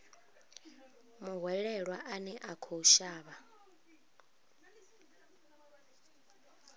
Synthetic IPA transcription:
muɦwɛɺɛɺwaʔanɛʔakʰoʃaːβa

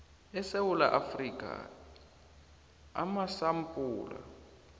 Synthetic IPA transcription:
ɛsewula̰ʔafrikʼa̰ | a̰masampʼuːla̰

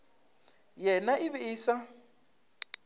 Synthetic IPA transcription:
jɛnaʔiβɪiːsa

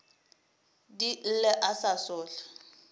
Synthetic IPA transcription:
dilɛʔasasʊːɬḁ

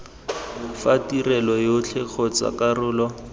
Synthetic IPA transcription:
fatirɛlɔjot͡ɬʰɛk͡xʰɔt͡sa̰karʊːlɔ

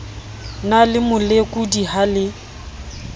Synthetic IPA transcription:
nalɪmʊlekʼudiɦalɪ

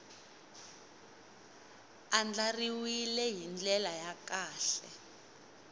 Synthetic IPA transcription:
and͡ɮariwilɛɦind͡ɮɛlajakaːɬɛ̰

